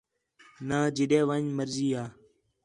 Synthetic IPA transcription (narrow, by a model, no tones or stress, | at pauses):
nãːd͡ʒɪɗẽːʋãːɲməɾziːaː